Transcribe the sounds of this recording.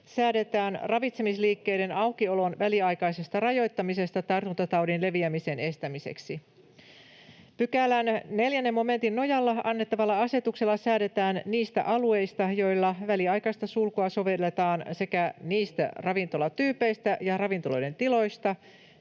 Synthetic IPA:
sæːde̞t̪æːnrɑʋit̪se̞misliːkːe̞jde̞nɑwkio̞lo̞nʋæliɑjkɑjse̞st̪ɑrɑjo̞jt̪ːɑmise̞st̪ɑt̪ɑrt̪unt̪ɑt̪ɑwdinle̞ʋiæmise̞ːne̞st̪æmisḛksi | pykælænne̞ljænːemːo̞me̞nt̪inːo̞jɑlːɑɑnːe̞t̪ːɑʋɑlːɑɑse̞t̪ukse̞lːɑsæːde̞t̪æːnniːst̪æ̰ʔɑlue̞jst̪ɑjo̞jlːɑʋæliɑjkɑjst̪ɑsulkoɑso̞ʋe̞lːe̞t̪ɑːnse̞kæniːst̪æ̰rɑʋint̪o̞lɑt̪yːpe̞jst̪æjɑrɑʋint̪olo̞jde̞nt̪ilo̞jst̪ɑ

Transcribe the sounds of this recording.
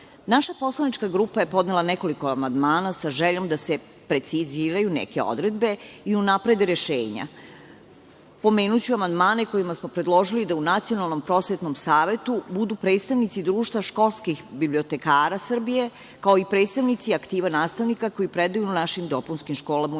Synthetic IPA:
naʃapo̞slˠanit͡ʃkaɡɾupaje̞po̞d̪nelˠaneko̞liko̞amand̪maːnasaʒeʎo̞md̪ase | pɾe̞t̪siziːɾajunḛke̞o̰d̪ɾe̞d̪be̞iunapɾe̞d̪eɾeʃḛːɲa̰ | po̞me̞ːnut͡ɕuamand̪maːneko̞jimasmo̞pɾed̪lˠo̞ʒilid̪aunat̪sijo̞nalˠno̞mpɾo̞sʋet̪no̞msaːʋe̞t̪ubud̪upɾet̪st̪aʋnit̪sid̪ɾuːʃt̪vaʃko̞lˠskixbiblio̞t̪ekaːɾasr̩bije̞ | kao̞ipɾeːt̪st̪aʋnit̪siakt̪iːʋanaːst̪aʋnikako̞jipɾed̪ajunanaʃimd̪o̞punskimʃko̞ːlama

